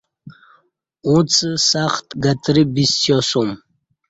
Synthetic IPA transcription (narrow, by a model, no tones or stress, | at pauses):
ũt͡sʼɨsaχt̪ʰɡat̪ʰʼɾibistʰjɔsum